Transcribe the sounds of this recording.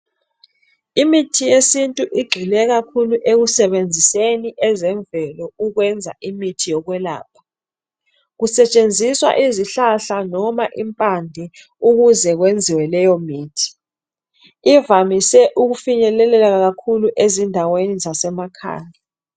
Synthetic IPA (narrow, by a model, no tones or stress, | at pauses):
imitʰijesintʼuʔiɡ͡ǃʱilɛɣakʰuluʔeɣusɛɓend͡zʱiseniʔɛzɛɱbvɛlɔuɣwɛnd͡zʱa̰ʔimitʰijɔɣwɛla̰ːp̚ʰḁ | ɣusɛt͡ʃʼend͡zʱiswa̰ʔiziɬaɬanɔmaʔimpʼandʱɛ | uɣuzɛɣ̬wend͡zʱiwɛlɛjɔmiːtʰi̥ | ivamisɛʔuɣufiɲɛlɛlɛlaɣakʰuluʔezindʱawenizasɛmakʰa̰ːna